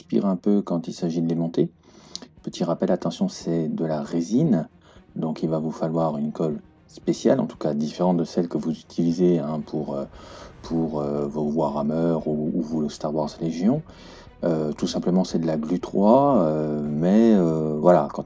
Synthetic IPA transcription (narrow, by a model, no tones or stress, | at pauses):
spḭʁɛ̃pøkɑ̃t̪ilsaʒid̪əlemɔ̃t̪e | pət̪ʰiʁapɛlat̪ɑ̃sjɔ̃sɛd̪əlaʁezin | d̪ɔ̃kilvavufalwaʁynkɔl | spesjalɑ̰̃t̪u̥kad̪ifeʁɑ̃t̪d̪əsɛlkəvuzyt̪ʰilizeɛ̃pʰuʁøpʰuʁøvovwaʁamœʁuːvulost̪aʁwaʁzleʒjɔ̃ | øt̪usɛ̃pləmɑ̃sɛd̪əlaɡlyt̪χwaømɛøvwalakɑ̃